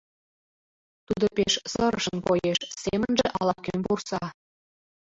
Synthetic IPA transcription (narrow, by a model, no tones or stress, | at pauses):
t̪ud̪opʲeʃsɤ̆ɾəʃə̆npojeʃsʲemə̆nʲʒĕʔɑlˠɑp̚kʲønpursɑ